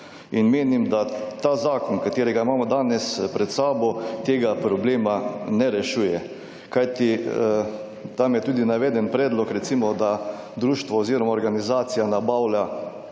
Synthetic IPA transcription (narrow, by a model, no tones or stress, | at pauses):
inmeːnimd̪at̪aːzaːkɔnkat̪eːɾɛɡaimaːmɔd̪aːnɛspɾɛt̪saːbɔt̪eːɡapɾɔbleːmanɛɾɛʃuːjɛ | kajt̪i | t̪amjɛt̪uːd̪inaʋɛːd̪ɛnpɾɛːd̪lɔkɾɛt̪simɔd̪a | d̪ɾuːʃt̪ʋɔoziːɾɔmaoɾɡanizaːt̪sijanabaːwla